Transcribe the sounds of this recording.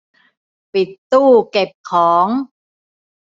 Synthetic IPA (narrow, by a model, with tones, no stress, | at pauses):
pi˨˩t̪ːuː˥˩ke˨˩p̚kʰɔː˩˦ŋ